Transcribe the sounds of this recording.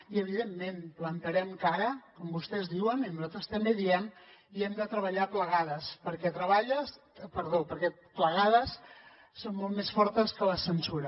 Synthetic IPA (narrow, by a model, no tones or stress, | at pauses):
iəβ̞iðemːenplənt̪əɾɛmkaɾəkɔmbust̪ɛzðiwəninuzat̪ɾəst̪əmbeðiɛmiɛmd̪ət̪ɾəβəʎapləɣaðəspəɾkɛt̪ɾəβaʎəs | pəɾðopəɾkɛ | pləɣaðəsː | onːɔlˠt̪mesfɔɾt̪əskələsənsuɾə